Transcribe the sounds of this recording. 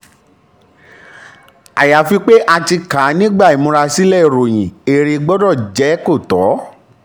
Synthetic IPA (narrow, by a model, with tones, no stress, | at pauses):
a̰˨ja˨fi˧k͡pe˦ʔa˧ti˧ka˨˦nĩ˦ɡ͡ba˦˨i˨mũ˧ɾa˧si˦lɛ˦˨ɾo˨j̃ĩ˨e˨ɾe˧ɡ͡bɔ˦dɔ˦˨d͡ʒɛ˨˦ko˦˨tɔ˨˦